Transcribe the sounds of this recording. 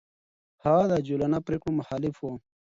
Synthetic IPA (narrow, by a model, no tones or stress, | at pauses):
had̪ad͡ʑulanapɾeːkɽomʊxaːlifo